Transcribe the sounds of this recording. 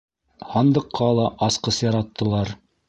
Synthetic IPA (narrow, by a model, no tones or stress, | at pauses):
hɑnd̪ɤ̆qːɑlˠɑʔɑsqɤsjɑɾɑt̪ːɤ̆lˠɑɾ